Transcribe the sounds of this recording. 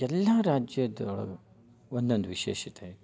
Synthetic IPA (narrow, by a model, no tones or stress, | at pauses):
ɛlːɐɾaːd͡ʒjɐd̪ɔɭɐ̰ | ond̪ond̪uʋiʃeːʃit̪ei